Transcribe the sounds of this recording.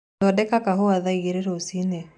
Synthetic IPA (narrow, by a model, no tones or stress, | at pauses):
ɔdɛkakaɦoaðaiɣeɾeɾoosine